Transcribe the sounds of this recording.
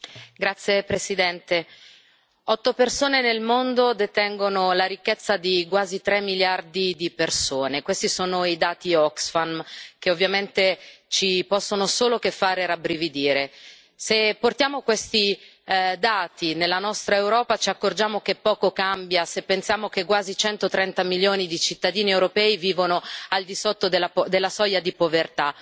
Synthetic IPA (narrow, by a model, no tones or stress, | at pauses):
ɡɾat̪sːjepɾesid̪ɛnt̪e | ɔt̪ːopersoːnenelmond̪od̪et̪ɛŋɡonolaɾikːet̪sːad̪ikwaːzit̪ɾemːiljard̪id̪ipersoːnekwest̪isoːnoid̪aːt̪iɔksfank̟eovːjament̪et͡ʃipɔsːonosoːlokefːaːɾeɾabɾivid̪iːɾe | sepːort̪jaːmokwest̪i | d̪aːt̪inelːanɔst̪ɾaewɾɔːpat͡ʃiakːord͡ʒaːmokepːɔːkokambjasepːensjaːmokekːwaːzit͡ʃɛnt̪ot̪ɾɛnt̪amiljoːnid̪it͡ʃit̪ːad̪iːniewɾopɛːiviːvonoald̪isot̪ːod̪elːad̪elːasɔjad̪ipovert̪a